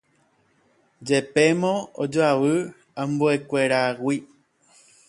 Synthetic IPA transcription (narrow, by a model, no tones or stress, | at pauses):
d͡ʒe̞pemõo̰d͡ʒoaʋɨ | ambuekʷeɾawi